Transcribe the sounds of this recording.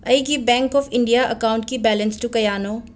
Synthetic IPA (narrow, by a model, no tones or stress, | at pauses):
ɐiɡibɛ̃ːŋkɔːfʰɪ̃ɳɖijaʔɐ̰kaːʊ̃ɳʈkibɛːlənsʈukɐjaːnoː